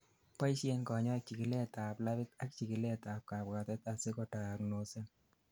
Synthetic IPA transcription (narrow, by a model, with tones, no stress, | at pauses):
pa˦jʃe˧nkɔ˨ɲɔ˦k̚t͡ʃi˨ki˨le˦ta˨pla˦βi˦ta˦kt͡ʃi˨ki˨lɛ˦ta˨p̚ka˨pka˨tɛ˦t̪a˨se˦kɔ˨ta˨kno˨se˦